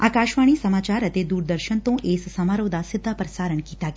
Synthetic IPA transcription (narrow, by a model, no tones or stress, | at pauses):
aːkaːʃʋaɳ̃isəmaːt͡ʃaɾət̪ed̪uːɾd̪əɾʃənt̪õʔessɐmaɾod̪asɪd̪ʱːapɾəsaːɾəɳkiːt̪a